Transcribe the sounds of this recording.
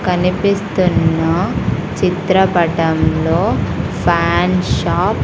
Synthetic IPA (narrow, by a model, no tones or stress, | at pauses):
kɐnipist̪unːɐt͡ʃit̪ɾɐpɐʈɐmlo̞ːpʰaːnʃaːp